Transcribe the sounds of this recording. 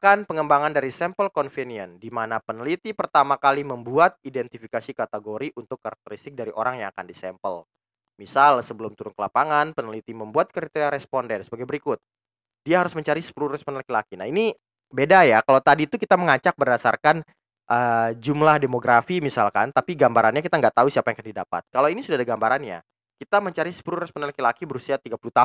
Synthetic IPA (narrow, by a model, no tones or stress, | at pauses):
kanpəŋəmbaŋandaɾisɛmpəlkɔnfiniəndimanapənəlit̪ipərt̪amakaliməmbuat̪̚idɛnt̪ifikasikat̪eɡoɾiʔunt̪ʊkːaɾak̚t̪əɾist̪ɪk̚daɾiʔo̰ɾaŋjaŋakandisɛmpəl | misalsəbəlʊmt̪uɾʊnkəlapaŋanpənəlit̪iməmbuat̪̚kəɾit̪eɾiaɾɛspɔndɛnsəbaɡajbəɾikʊt̪̚ | diaɦaɾʊsməɲt͡ʃaɾisə̥pulurɛspɔndnlakilakinaini | bedajakalawt̪adit̪ukit̪aməŋat͡ʃak̚bərdasa̰rkan | ʔəd͡ʒumlahdemoɡɾafimisalkant̪apiɡambaɾanɲakit̪aŋɡaʔt̪ausiapajaŋakandidapa̰t̪̚kalawinisudaadaɡambaɾanɲa̰ | kit̪aməɲt͡ʃaɾisə̥puɾuɾɛspɔndnlakilakibəɾusiat̪iɡapuluht̪a